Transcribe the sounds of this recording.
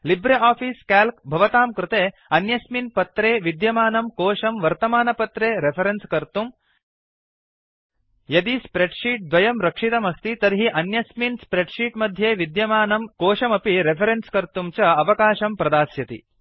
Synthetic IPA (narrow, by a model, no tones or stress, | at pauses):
libɾeaːpʰiːskaːlkbʱɐʋɐt̪aːmkɾɪt̪eː | ɐnjɐsminpɐt̪ɾeːʋid̪jɐmaːnɐmkoːʃɐmʋɐɾt̪ɐmaːnɐpɐt̪ɾeːɾepʰɐɾenskɐɾt̪um | jɐd̪ispɾeɖʃiːʈ̚d̪ʋɐjɐmɾɐkʂit̪ɐmɐst̪it̪ɐɾɦiʔɐnjɐsminspɾeɖʂiːʈmɐd̪ʱjeːʋid̪jɐmaːnɐmkoːʃɐmɐpiɾepʰɐɾenskɐɾt̪umt͡ʃɐɐʋɐkaːʃɐmpɾɐd̪aːsjɐt̪ḭ